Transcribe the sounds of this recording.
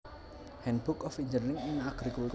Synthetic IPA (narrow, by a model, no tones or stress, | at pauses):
hɛnb̥ʊkɔfiɲd͡ʒərnɪŋɪŋaɡ̥ɾikuwik